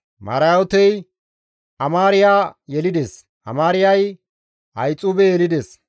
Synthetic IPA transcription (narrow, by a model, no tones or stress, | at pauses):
mɐ̰ɾaɔt̪ɛj | ʔɐmaːɾɪjaːjɛlɪd̪es | ʔɐ̰maːɾɪjɐj | ʔɐ̰jt͡sʼuːbɛjɛlɪd̪es